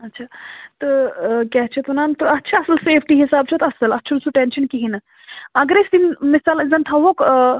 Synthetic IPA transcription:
ɐtːt͡ʃʰaːt̪əkɛɦt͡ʃʰet̪unaːnt̪oɐtːʃʰaɐsəlseːpʰʈiɦisaːbt͡ʃʰɐt̪ɐsɐlɐtːʃʰɐd̪suʈenʃənkiɦinɐ | ɐɡɾesd̪inmisaːlizɐnʈ̪ʰɐʋok

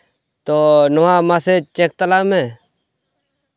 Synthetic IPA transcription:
t̪oːnɔaːmaset͡ʃek̚t̪əlaːme

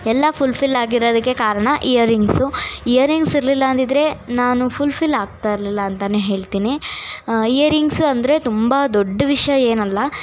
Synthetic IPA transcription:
ɛlːɐpʰulpʰilːaːɡiɾoːd̪ɐkːe̞kaːɾɐɳɐʔijɐɾiŋɡsuijɐɾiŋɡsiɾlilːɐːnt̪id̪ɐɾe̞naːnupʰulpʰilːaːɡ̚t̪aiɾlilːɐːnt̪ɐneːɦe̞ːɭt̪iːni | ijɐɾiŋɡsɐnd̪ɾe̞t̪umbɐd̪ɔɖːɐʋiʂjɐe̞ːnɐlːɐ

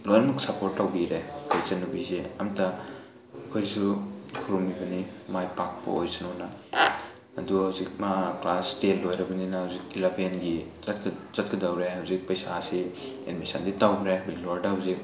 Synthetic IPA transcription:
lojɾɐmɐksɐpoɾtːawbiɾekʰojsɐnubizeɐmtɐ | ɐkʰojɾsukʰuɾumbibɐnimajpak̚pɐ̰ojsɐnonɐ | ɐduhawzik̚maklastetlːojɾɐbɐninɐhawzik̚dilapienɡizɐtkʰz̥ɐt̚kidawɾeɦawzik̚pɐjsasi | ḛdmisanditawbɾebiɡloɾdɐawzik̚

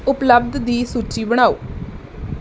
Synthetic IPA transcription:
ʊpləb̚d̪d̪iːsuːt͡ʃiːbəɽ̃aːo̰ː

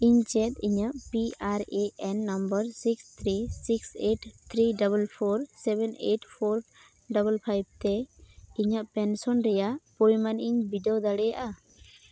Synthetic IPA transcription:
iɲt͡ʃɛt̪̚iɲaʔpiaɾeʔɛnːambəɾsikst̪ʰɾisikseʈt̪ʰɾiɖabəlpʰoɾsɛbɛneʈpʰoɾ | ɖɔbəlpʰajb̚t̪ɛiɲəʔpɛnsɔnɾɛjapojmaniɲbiɖɛɔd̪aɽɛjaʔa

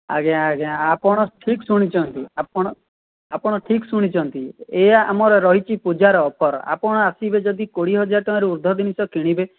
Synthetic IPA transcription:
a̰ɡeaaɡeãapɔɽ̃ɔʈʰiksuɽ̃it͡ʃʰɔnt̪iapɔɽ̃ɔ | apɔɽ̃ɔʈʰiksuɽ̃it͡ʃʰɔnt̪ieamɔɾeɾɔɦit͡ʃʰipud͡ʒaɾɔːpʰɔɾa̰pɔɽ̃ɔasibed͡ʒɔd̪ikoɽiɦɔd͡ʒaɾʈɔ̃ɾiuɾd̪ʱɔd̪inisɔkiɽ̃ibe

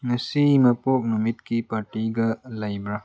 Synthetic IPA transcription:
nɐsimɐpoːk̚numit̪kipɐʈiɡɐlɐjbɾa

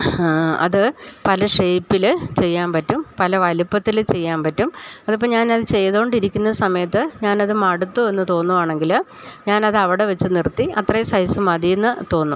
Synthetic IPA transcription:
ɐ̰ðɨpɐlɐʂe̞jpːilt͡ɕe̞jːaːmpɐtːumpɐlɐʋɐlipːɐt̪ːilt͡ɕe̞jːaːnpɐtːumɐðupːoːɲaːnɐðɨt͡ɕe̞jːɐðuoɳɖiɾikʲːunːɐɨsɐmɐjɐt̪ːɨɲaːnɐðɨmɐɽut̪ːue̞nːɨt̪o̞ːnːuʋaːɳe̞ŋɡil | ɲaːnɐðɨɐʋiɽeʋɐt͡ɕːɨnirt̪ːiɐt̪rɐjɐsɐjsumɐðijenːɨt̪o̞ːnːu

